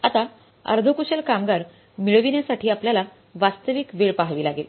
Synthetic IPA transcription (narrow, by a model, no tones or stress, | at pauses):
at̪a | ə̰ɾd̪ʱokuɕelkamɡaɾ | miɭʋinjasaʈʰiːapljala | ʋast̪əʋiːkʋeɭpaɦʋiːlaɡel